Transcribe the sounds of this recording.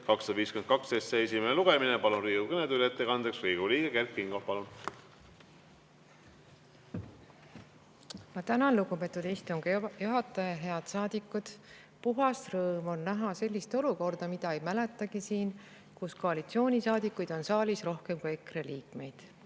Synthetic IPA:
kɑksɑd̪̥ɑviːskymen̚kɑkst̪eseesimeneluɡ̥eminepɑlunriːɡukɤned̪ylet̪ˑːekɑnd̪eksriːɡ̥uliːɡ̥ekerkːiŋɡ̥opɑlun | mɑt̪ænɑnluɡ̥upe̞t̪ːˑud̪ejst̪oŋkjuɦɑt̪ːˑɑjɑɦe̞ɑd̪̥sɑːd̪̥ikːˑud̪̥ | puɦɑst̪rɤːmo̞nːæɦɑse̞lʲːist̪o̞luko̞rd̪̥ɑmid̪̥ɑejmælet̪ːˑɑɡ̥isiːn | kusko̞ɑlit̪sio̞ːnʲisɑːd̪ikːˑujd̪̥o̞nsɑːlisro̞hke̞mkuje̞kreliːkme̞jd̪̥

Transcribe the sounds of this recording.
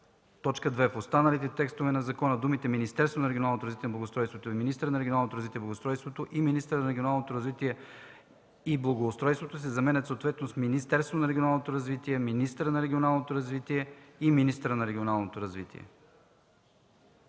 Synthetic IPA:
t̪ɔt͡ʃkəd̪vɛfost̪anəlit̪ɛt̪ɛkst̪ovɛnɐzɐkɔnəd̪umit̪ɛminist̪ɛɾst̪vonɐɾɛɡʲonalˠnot̪oɾɐzvit̪ɛnɐblˠɐɡost̪ɾɔjst̪vot̪oiminist̪əɾənɐɾɛɡionalˠnot̪oɾɐzvit̪iɛblɐɡost̪ɾɔjst̪vot̪oʔiminist̪əɾənɐɾɛɡʲionalˠnot̪oɾɐzvit̪iɛ | iblˠɐɡoːst̪ɾɔjst̪vot̪osizɐmɛnɛt̪sot̪vɛt̪nosminist̪ɛɾst̪vonɐɾɛɡʲionalˠnot̪oɾɐzvit̪iɛminist̪əɾənɐɾɛɡʲionalˠnot̪oɾɐzvit̪iɛiminist̪əɾənɐɾɛɡʲionalˠnot̪oɾɐzvḭt̪ḭɛ̰

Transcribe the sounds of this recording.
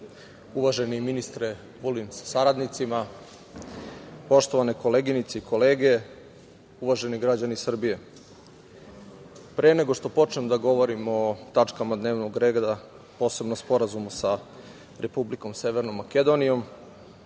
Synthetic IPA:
uʋaʒeniminist̪ɾe | ʋulimsḁsaɾad̪nit̪sima | po̞ʃt̪o̞ʋaneko̞le̞ɡinit̪seiko̞le̞ːɡe̞ | uʋaʒe̞niɡɾad͡ʑanisr̩bije̞ | pɾeːne̞ɡo̞ʂt̪o̞po̞t͡ʃnemd̪aɡo̞ʋo̞ɾimot̪at͡ʂkamad̪ne̞ːʋno̞ɡɾe̞ːɡd̪a | po̞ːse̞bnospo̞ɾazumusa | ɾʔe̞publiko̞mse̞ʋeɾno̞mːaked̪o̞nijo̞m

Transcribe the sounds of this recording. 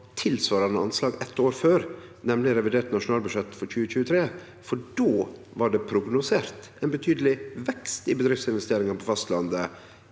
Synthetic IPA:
t̪ʰɪlsʋɑːɾɑnəɑnslɑːɡɛt̪ːoːɾføːɾnɛmlɪɾɛʋɪd̪eːʈnɑʂʊnɑːlbʉʃɛt̪ːfɔɾçʉːəçʉːət̪ʰɾeː | fɔɖoː | ʋɑɖɛpʰɾʊɡnʊseːɾt̪ | ɛːnbət̪ʰyːd̪əlɪʋɛkst̪ɪbəd̪ɾɪft̪sɪnʋɛst̪eːɾɪŋənpʰɔfɑst̪lɑnd̪ə

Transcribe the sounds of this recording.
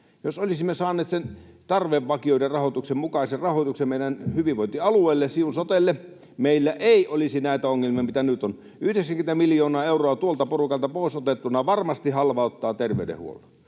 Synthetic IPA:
josolisimːesɑːnːˑeːt̪sent̪ɑrʋeʋʋɑkioˑiderɑhot̪uksemmukɑˑiserɑhoˑt̪uksemmeˑiɾænhyʋiʋʋoˑint̪iɑlueˑːlːesiunsot̪elːe | meˑilːæʔeˑiʔolisinæˑit̪æoŋːelmiɑmit̪ænyt̪on | yhdeksæŋkymet̪æmiljoːnɑːeuroɑt̪uolt̪ɑporukɑlt̪ɑpoˑisot̪et̪ːunːˑɑʋɑrmɑst̪ihɑlʋɑot̪ːɑːt̪erʋḛydḛhṵo̰lɑ̥

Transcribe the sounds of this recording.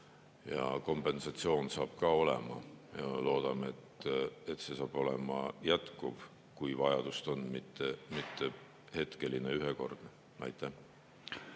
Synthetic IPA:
jɑ̰ko̞mpˑe̞nsɑt̪sio̞ːnsɑːb̥kɑːo̞le̞̰mɑ̰mjɑlo̞ːd̪̥ɑmeet̪ˑet̪ːse̞sɑːb̥o̞lḛmɑjæt̪kuv̥ | kujvɑjɑd̪̥ust̪o̞nːmit̪ˑːemit̪ːe | he̞t̪ke̞lineyɦeko̞̰rd̪̥ | nɑ̰jt̪ʰːˑe

